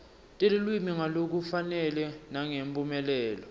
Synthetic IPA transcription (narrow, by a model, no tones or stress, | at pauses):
tʼelilwimiŋalok̬ufanɛlɛnaŋempʼumɛlɛːlɔ